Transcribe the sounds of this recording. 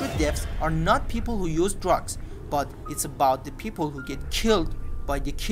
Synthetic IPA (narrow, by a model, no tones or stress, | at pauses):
ɹɨt̚dɛfsəɹnɔt̚pʰiːpəl̩ˠhujuːzdɹʌɡs | b̥ʌt | ɪtsəbaʊt̪̚d̪əpʰiːpəl̩ˠhuɡɛt̚kʰɪlˠdbaɪd̪əkʰ